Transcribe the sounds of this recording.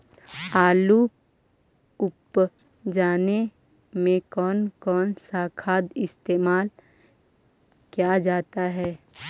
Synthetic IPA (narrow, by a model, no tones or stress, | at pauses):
aːlu | ʊp | d͡ʒaːne | mẽkɔːnkɔːnsakʰaːd̪ɪst̪eːmaːl | kjad͡ʒaːt̪aɦɛː